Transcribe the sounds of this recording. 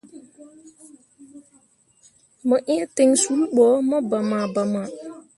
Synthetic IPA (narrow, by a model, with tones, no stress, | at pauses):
mə˨ʔĩ˦te˨ŋsu˨˦lɓɔ˨˦mə˦ba˨ma˨ba˨ma˨